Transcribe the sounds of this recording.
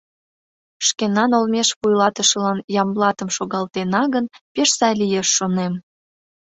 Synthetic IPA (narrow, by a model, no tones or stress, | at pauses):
ʃkenɑnolmeʃβujlɑt̪əʃə̆lɑnjɑmlɑt̪əmʃoɣɑlt̪enɑɣənpeʃsɑjlʲijeʃːonem